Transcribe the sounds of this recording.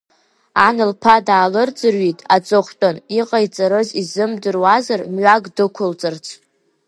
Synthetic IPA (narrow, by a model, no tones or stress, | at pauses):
anɨlpʰadaːlɨrd͡zʼɨrɥitʼat͡sʼoχʷtʼɨniqʼajt͡sʼaɾɨzizɨmdɨrwazarmɥaɡʼdɨkʷʰʊlt͡sʼɨrt͡sʰ